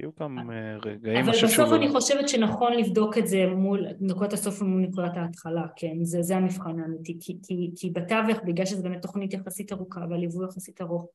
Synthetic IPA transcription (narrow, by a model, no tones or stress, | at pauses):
u | eɡavalbasofaniχo̞ʃevetʃenaχo̞nlivdo̞ketze̞mulnakutaso̞fmulnekudataːtχalakʰenzezeamifχanaːmitikʰikʰikʰibataveχbiɡlalʃezebemet̪ːoχnitjaχasitaʁukavealivujaχasitaʁoχ